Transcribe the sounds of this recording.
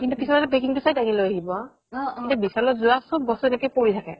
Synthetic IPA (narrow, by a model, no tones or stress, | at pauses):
kintupisɔlatɛbekiŋtusajdaŋilojaɦibɔ | kintɛbisaɹlɔzʊasɔbːɔsuɛnɛkojpoɹitʰakɛ̰